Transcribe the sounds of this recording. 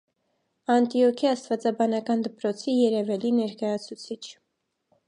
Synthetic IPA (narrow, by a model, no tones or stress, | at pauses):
ɑnt̪iɔkʰiɑst̪vɑt͡sɑbɑnɑkɑnd̪əpɾɔt͡sʰijɛɾɛvɛlinɛɾkɑjɑt͡sʰut͡sʰit͡ʃʰ